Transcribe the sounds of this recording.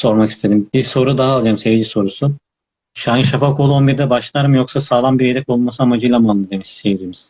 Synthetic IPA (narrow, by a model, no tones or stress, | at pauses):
so̞ɾmaki̥st̪ʰe̞d̪imbiso̞ɾud̪aɦaːlˠjoɾmsevid͡ʒiso̞ɾusu | ʃaniʃafakʰo̞lˠuo̞nbiɾd̪ɛbaʃlˠaɾmjo̞ksasaːlˠanbiɾed̪ɛko̞lˠmasɯamad͡ʒɯjlˠamand̪ˠɯd̪e̞miʃsejid͡ʒimiz̥